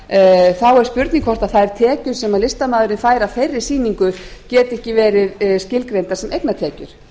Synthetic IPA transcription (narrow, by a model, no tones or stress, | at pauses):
θawɛɾ̥spʏɾt̪niŋkʰfɔr̥t̪aðθaðɛɾ̥t̪ʰɛːcʏɾ̥sɛmaðlɪst̪amaːðʏɾɪnfaːjɾafejɾːɪ̥siːniŋkʏɾcɛːt̪ɛhcɪvɛːɾɪðscɪlkɾejnt̪asɛmejknat̪ʰɛːcʏɾ̥